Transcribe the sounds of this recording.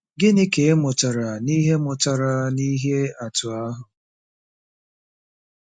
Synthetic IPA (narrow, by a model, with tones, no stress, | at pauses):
ɡɪ˦nɪ˦ke˨e˦mʊ˨ta˨ɾa˨ni˦ɦe˦mʊ˨ta˨ɾa˨ni˦ɦe˦a˨tʊ˨a˦ɦʊ˨